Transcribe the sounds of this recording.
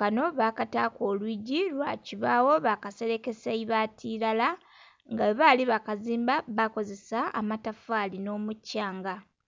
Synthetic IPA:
kano̞βakataːko̞ːlwiːɟilwa̰ciβaːwo̞βakase̞ɾe̞ke̞saiβatʰilala | ŋɡaβaliβakaziːmbaβako̞ze̞saa̰matafaːlino̞ːmucːaːŋɡa

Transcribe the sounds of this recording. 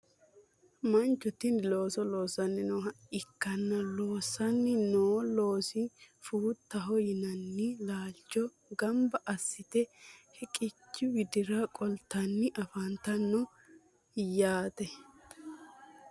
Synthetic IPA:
mɐnt͡ʃːɔt̪ːɪnlo̞ːsɔlo̞ːsɐnːɪnɔːɐɪkːɐnːɐlo̞ːsɐnːɪnoːlo̞ːsɪfuːt̪ːɐɦɔjɪnɐnːɪlaːt͡ʃːɔ | ɡɐmbɐʔɐsːɪt̪ɛhɛkʼɪt͡ʃːɪwɪd̪ɪɾɐkʼɔlt̪ːɐnːɪʔɐfɐnt̪ɐnːɔ | jaːt̪ɛ

